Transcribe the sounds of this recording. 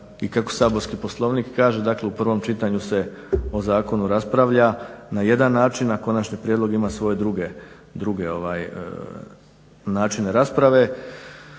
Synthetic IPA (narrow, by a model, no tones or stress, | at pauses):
ikako̞̥saːbo̞ɾskipo̞slˠo̞ːʋnikkaːʒe̞d̪akleupr̩ʋo̞mt͡ʃit̪aɲuse̞o̞zaːko̞nuɾaspɾaʋʎanaje̞d̪anːaːt͡ʃinako̞nat͡ʃɲipɾjed̪lo̞ɡimasʋo̞je̞d̪ɾuɡe | d̪ɾuɡe̞o̞ʋaːj̰ | naːt͡ʃine̞ɾaspɾaʋe̞